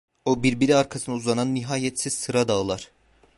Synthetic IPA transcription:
obiɾbiɾiaɾkʰasɯnauzˠananːiɦaːjɛt̪siz̥sɯɾad̪aɯlˠaɾ̥

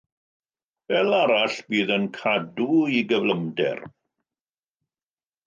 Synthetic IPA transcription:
vɛlˠaɾaɬb̥iːðənkʰaduiɡəvləmdɛ̰r

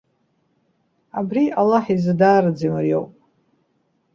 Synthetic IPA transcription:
abrialːaħizɨdaːɾɨd͡zimɨrjo̰wpʼ

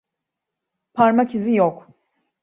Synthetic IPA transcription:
pʰaɾmacʰizijok

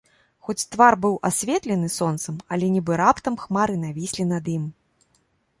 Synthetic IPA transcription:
xɔt͡sʲt̪varbɨwʔasʲvʲɛt̪lʲɛnɨsɔnt̪sɐmɐlʲɛnʲibɨɾapt̪ɐmxmaɾɨnavʲisʲlʲinɐd̪im

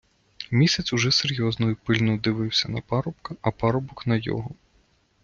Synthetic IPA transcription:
mʲisʲɐt͡s̪ʲuʒɛseɾʲjɔznɔjʊpɪlʲnʊd̪ɪʋɪwsʲɐnɐpɑɾɔpkɐɐpɑɾɔbɔknɐjɔ̰ɦɔ

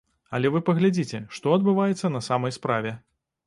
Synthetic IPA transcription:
ɐlʲɛvɨpɐɣlʲad͡zʲit͡sʲɛʂt̪ɔɐd̪bɨvajɛt̪sːɐnɐsamɐjspɾavʲɛ

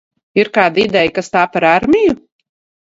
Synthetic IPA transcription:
iɾkaːd̪id̪ɛjkast̪aːpaɾaɾmʲiju

